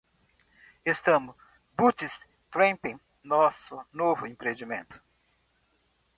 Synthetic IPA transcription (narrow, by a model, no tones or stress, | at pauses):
est̪ɐ̃mʊ | but͡ʃis | t̪ɾẽpẽ | nɔsʊnovʊĩpɾed͡ʒimḛ̃nt̪ʊ̥